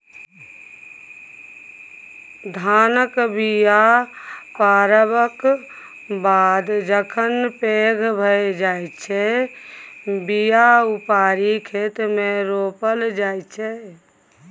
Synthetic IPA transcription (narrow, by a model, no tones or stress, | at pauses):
d̪ʱaːnəkbija | paɾəbək | bad̪d͡ʒəkʰənpeɡʱbʱəjd͡ʒajt͡ʃʰɛ | bijaupaɾikʰet̪meɾopəld͡ʒajt͡ʃʰɛ